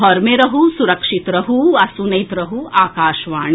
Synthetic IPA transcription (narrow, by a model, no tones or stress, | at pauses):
ɦɔɾmeɾɐɦusuɾɐkʂit̪ɾɐɦuɐsunɐjt̪ɾɐɦuaːkaːʃʋaːɳ